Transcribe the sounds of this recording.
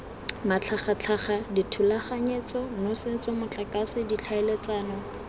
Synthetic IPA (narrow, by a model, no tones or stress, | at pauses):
mat͡ɬʰaχat͡ɬʰaχaditʰulaχaɲet͡sɔnosɪnt͡sɔmʊt͡ɬʼakasɪdit͡ɬʰaelet͡saːnɔ